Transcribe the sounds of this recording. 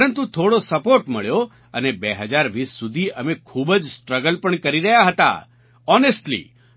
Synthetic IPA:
ɾənt̪ũt̪ʰoɽosəpoɾʈməɭjo | ə̰nebeɦəd͡ʒaɾʋisːud̪ʱiʔəmekʰubəd͡ʒsʈɾəɡəlpəɳkəɾiɾəɦjaɦət̪a̰ | ɔnesʈlḭ

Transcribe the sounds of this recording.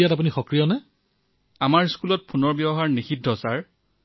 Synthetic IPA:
jatap̬unixɔkɹijɔnɛ | amaɹskulɔt̚pʰunɔɹbjɛbɔɦaɹnixidʱːɔsaɹ

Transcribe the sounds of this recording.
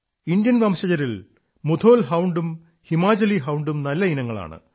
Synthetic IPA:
ind̪jɐnʋɐːmɕɐd͡ʑɐɾil | mud̪ʰʱo̞ːlɦɐwɳɖum | himaːd͡ʑɐliɦɐwɳɖumnɐlːɐinɐŋːɐɭa̰ːɳɨ̰

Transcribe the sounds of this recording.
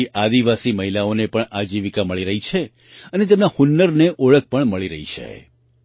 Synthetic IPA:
iʔad̪iʋasiməɦilaonepəɳad͡ʒiʋikaməɭiɾəɦit͡ʃʰe | ənet̪̬emnahunːəɾneʔoɭək̚pəɳməɭiɾəɦit͡ʃʰḛ

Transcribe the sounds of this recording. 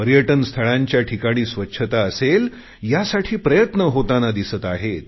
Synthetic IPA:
pəɾjəʈənst̪ʰəɭaɲt͡ɕjaʈʰikaɽ̃iːsʋətːɕʰət̪aəsel | jasaʈʰiːpɾəjət̪nəɦot̪anad̪isət̪aɦet̪

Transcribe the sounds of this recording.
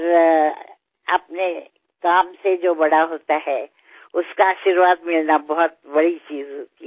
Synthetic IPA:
ɾ | ɐ̰p̚ne | kaːmsed͡ʒoːbɐɽaɦoːt̪aɦɛː | ʊskaaːʃiɾʋaːd̪mɪlnabɔɦʊt̪̚bɐɽit͡ʃiːzɦoːt̪i

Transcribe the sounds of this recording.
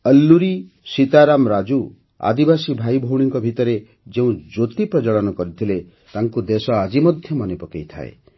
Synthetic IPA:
əlːuɾi | sit̪aɾamɾad͡ʒu | a̰d̪ibasibʱajbʱowɽ̃iŋkɔbʱit̪ɔɾe | d͡ʒeũd͡ʒot̪ipɾɔd͡ʒɔɭɔnɔkɔɾit̪ʰile | t̪aŋkud̪esɔad͡ʒimɔd̪ʱjɔmɔnepɔkejt̪ʰa̰ḛ

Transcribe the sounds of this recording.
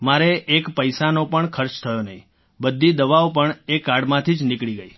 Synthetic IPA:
maɾeʔːkpəjsanopəɳkʰəɾt͡ʃt̪ʰəjonəɦḭ̃ | bəd̪ʱːid̪əʋaopəɳekːaɽmãt̪ʰid͡ʒnɪkɭiɡəi

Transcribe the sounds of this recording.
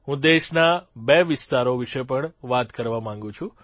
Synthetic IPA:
ɦũd̪eʃnabeʋɪst̪aɾoʋiʃepəɳʋat̪kəɾʋamãŋɡũt͡ʃʰũ

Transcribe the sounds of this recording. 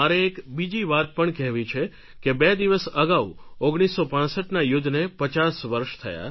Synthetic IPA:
aɾeːkbid͡ʒiʋat̪̚pəɳkɛɦʋĩt͡ʃʰe | kebed̪iʋəsəɡaʋuoɡɽ̃isːopãsəʈnajʊd̪ʱnepət͡ʃasʋəɾʃt̪ʰəja̰

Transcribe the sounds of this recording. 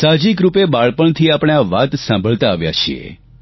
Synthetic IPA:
sad͡ʒikɾupebaɭpəɳt̪ʰiapɳ̃eaʋat̪sãmbʱəɭt̪aːʋja̰t͡ʃʰiḛ

